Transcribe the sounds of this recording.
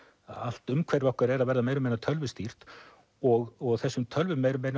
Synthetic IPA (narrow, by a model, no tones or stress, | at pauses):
al̥t̪ʏmkʰvɛɾvɔhkaɾɛɾaðvɛɾðameːjɾʏmeːjnat̪ʰœlvʏst̪ir̥t̪ | ɔɣɔɣθɛsːʏmt̪ʰœlvʏmeːjɾʏmeːjn